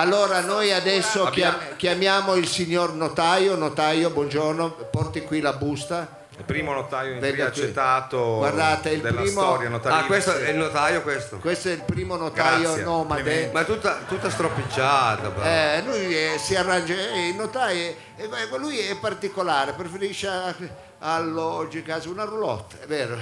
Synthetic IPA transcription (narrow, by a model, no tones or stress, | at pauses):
alːoːɾanojad̪ɛsːokamk̟jamjaːmoilsiɲːornot̪ajonot̪ajobwɔnd͡ʒornopɔrt̪ikwilabust̪a | ilpɾiːmonot̪ajod̪ɛlːakt͡ʃet̪ːaːt̪owaɾd̪aːt̪eild̪plɾiːmoɔɾjanot̪aakwest̪oɛlnot̪ajokwest̪okwest̪oɛilpɾiːmonotɡ̪ajonɔːmad̪emat̪ːut̪ːat̪ut̪ːast̪ɾopid͡ʒat̪aɛlujɛsiarːand͡ʒaɛilnːot̪aj | lujɛpːart̪ikolaːɾepɾefeɾiʃːa | alːɔd͡ʒikasunarulɔ̰t̪ːɛvɛːɾo